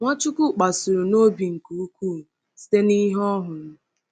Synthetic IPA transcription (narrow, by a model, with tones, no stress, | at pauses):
ŋʷa˦t͡ʃu˦ku˦k͡pa˨su˨ɾu˨no˦bi˨ŋ̩˨ku˨u˦kʷu˦˨ | si̥˦te˦ni˦ɦɔ˦ɦʊ˨nʊ˦